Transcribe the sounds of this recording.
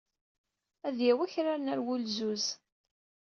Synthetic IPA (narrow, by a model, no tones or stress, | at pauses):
æðjæwæçɾanæɾwʊlzuz